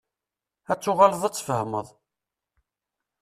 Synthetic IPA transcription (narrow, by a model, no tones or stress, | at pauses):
æt͡sːʊʁaləðˤæt͡sːfəhməðˤ